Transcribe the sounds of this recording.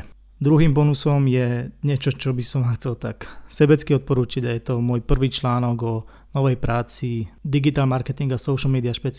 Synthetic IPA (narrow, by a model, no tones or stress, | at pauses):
d̪ɾuɦiːmbɔnusɔmjɛɲɪɛt͡ʃɔt͡ʃɔbisɔmʋaxt͡sɛlt̪aksɛbɛt͡skiɔt̪̚pɔɾuːt͡ʃiɟajɛt̪ɔmʊɔːjpr̩ʋiːt͡ʃlaːnɔɡɔ | nɔʋɛjpɾʔaːt͡sid̪iɡit̪aːlmaɾkɛt̪iŋɡasɔʊʃl̩ˠmɛːd̪iaʃpɛt͡s